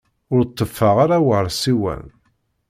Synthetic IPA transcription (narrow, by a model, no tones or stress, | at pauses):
ʊɾt̪ˤːəfːəʁaɾawəɾˤsiwæ̰n